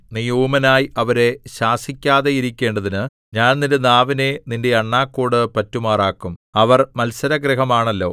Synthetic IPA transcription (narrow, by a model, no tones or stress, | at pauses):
nijuːmɐnaːjɐʋɐɾe̞ɕaːsikʲːaːðe̞jiɾikʲːe̞ːɳɖɐðinɨ | ɲaːnnindenaːʋine̞ninde̞ɐɳːaːkːuːɽɨpɐtːumaːraːkːumɐʋɐrmɐlsɐɾɐɡriɦɐmaːɳɐlːo̞̰ː